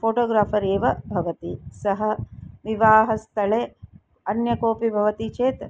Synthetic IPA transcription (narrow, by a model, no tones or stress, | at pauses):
foːʈoːɡɾaːpʰɐɾeːʋɐbʱɐʋɐt̪isɐɦɐʋiʋaːɦɐst̪ʰɐɭeː | ɐnjɐkoːpibʱɐʋɐt̪it͡ʃeːt̪